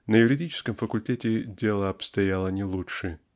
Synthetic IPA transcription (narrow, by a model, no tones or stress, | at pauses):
nəjʊɾʲɪdʲit͡ɕɪ̥skəmfəkʊlʲtʲetʲɪdʲelˠəɐpst̪ɐjalˠənʲɪlˠuʂɨ